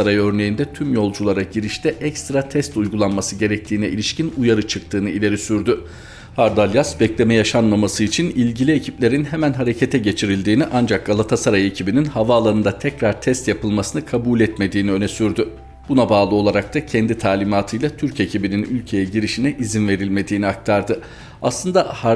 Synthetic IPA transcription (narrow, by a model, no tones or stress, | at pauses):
aɾajø̞ɾne̞jind̪ɛt̪ʰymjo̞lˠd͡ʒulˠaɾaɟiɾiʃt̪ɛʔɛcst̪ɾat̪ʰɛst̪ujɡulˠanmasɯɟe̞ɾɛc̚t̪ʰiːnɛḭlʲiʃcinujaɾɯt͡ʃʰɯk̚t̪ʰɯːnɯilʲe̞ɾisyɾd̪y | haɾd̪alʲjasbɛclʲe̞mɛjaʃanmamasɯit͡ʃʰinilʲɟilʲiecʰiplʲe̞ɾinɦemænɦaɾe̞cʰet̪ʰɛɟe̞t͡ʃʰiɾilʲd̪iːniʔand͡ʒak̚ɡalˠat̪ʰasaɾajecʰibininhavaːlˠaɾɯnd̪at̪ʰɛcɾaɾt̪ʰɛst̪japɯlˠmasɯnɯkʰabuːlʲɛt̪me̞d̪iːniø̞nɛsyɾd̪y | b̥unabaːlˠɯo̞lˠaɾak̚t̪ʰacʰɛnd̪it̪ʰaːlʲimaːt̪ʰɯjlˠat̪ʰyɾce̞cʰibininylʲcʰe̞jɛɟiɾiʃinɛʔizinve̞ɾilʲme̞d̪iːniak̚t̪ʰaɾd̪ɯ | aslˠɯnd̪ah